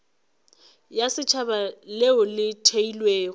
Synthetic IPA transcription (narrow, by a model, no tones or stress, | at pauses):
jasɪt͡ʃʰabaleʊlɪtʰeilweː